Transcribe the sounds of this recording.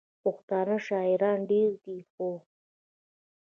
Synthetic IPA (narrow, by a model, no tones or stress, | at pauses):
pʊxt̪ɑːnaʃɑːɪɾɑːnɖeɾd̪ixo